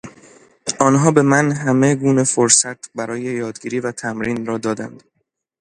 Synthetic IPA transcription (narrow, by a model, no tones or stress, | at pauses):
ɒːnɦɒːbe̞mænɦæme̞ɡuːne̞foɾsæt̪ʰbæɾɒːjejɒːd̪ɡiːɾiːvæt̪ʰæmɾiːnrɒːd̪ɒːd̪æ̰nd̪̥